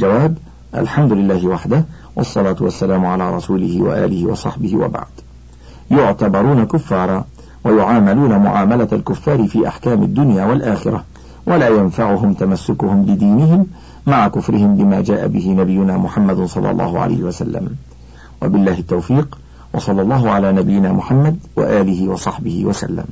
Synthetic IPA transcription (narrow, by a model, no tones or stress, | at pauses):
ald͡ʒawaːb | ʔa̰lħamd̪ʊlɪlːaːhɪwaħd̪ah | wɑ̰sˤːɑlaːt̪ʊwasːalaːmʊʕalaːɾˤɑsuːlɪhɪwa̰ʔa̰ːlɪhɪwɑ̰sˤɑħbɪhɪ̰wa̰ba̰ʕd̪̥ | jʊʕt̪abɑɾˤuːnakʊfːɑːɾˤɑː | wajʊʕaːmaluːnamʊ̰ʕa̰ːmalaalkʊfːɑːɾɪfiːʔa̰ħkaːmɪ̰d̪ːʊnjaːwalʔaːxɪ̰ɾa | wʔalaːjanfaʕʊɦʊmt̪amasːʊkʊhʊmbɪd̪iːnɪɦɪmː | aʕakʊfɾɪhɪmbɪmaːd͡ʒaːʔa̰bɪhɪnabɪjːʊnaːmʊħamːad̪sˤɑlːɑ̰lˤːɑ̰ːhʊʕa̰la̰jhɪwasa̰lːa̰m | wa̰bɪlːaːhɪt̪ːawfiːq | wɑsˤɑlːɑlˤːɑːɦʊʕalaːnabɪjːɪnaːmʊħamːad̪wa̰ʔaːlɪɦɪwɑsˤɑħbɪhɪwasa̰lːa̰m